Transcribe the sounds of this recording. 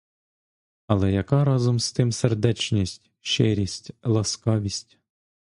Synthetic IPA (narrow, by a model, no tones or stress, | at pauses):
ɐlˠɛjɐkɑɾɑzɔmst̪ɪmserd̪ɛt͡ʃnʲisʲtʲ | ʃɪɾʲisʲtʲlˠɐskɑʋʲisʲtʲ